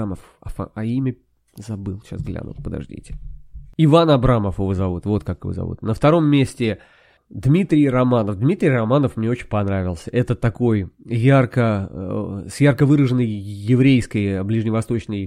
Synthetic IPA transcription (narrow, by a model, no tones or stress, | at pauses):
məf | a̰fa̰ɐimʲə | zɐbɨlˠɕa̰sɡlʲa̰nʊ̰lˠpəd̪ɐ̰ʐdʲḭtʲɪ̥ɪvanɐbɾaməfɪvozɐvut̪vo̞t̪̚kakɨvo̰zɐ̰vṵt̪nəft̪ɐɾo̞mːʲesʲtʲɪ | d̪mʲit̪ɾʲɪjrɐmanəfd̪mʲit̪ʲɾʲijrɐmanəfmnʲe̞ot͡ɕɪnʲpɐnɾavʲɪlˠsʲəʔɛt̪ət̪ɐko̞jːarkə | sjarkəvɨɾəʐɨnːəjːɪvɾʲejskəjblʲiʐnʲɪvɐst̪o̞t͡ɕnəj